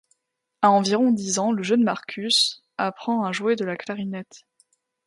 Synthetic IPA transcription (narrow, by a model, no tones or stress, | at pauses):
aɑ̃viʁɔ̃d̪izɑ̃ləʒənmaʁkʲʰys | apχɑ̃aʒued̪əlaklaʁinɛt̪